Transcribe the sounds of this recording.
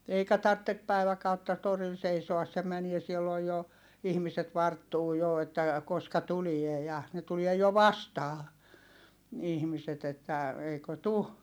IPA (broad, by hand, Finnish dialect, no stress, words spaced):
eikæ tɑrtːe pæiʋækɑutːɑ toril seisoɑs se mænie silːoj jo ihmiset ʋɑrtːuː jo etːæ koskɑ tulie jɑ ne tulie jo ʋɑstɑː ihmiset etːæ eikø tu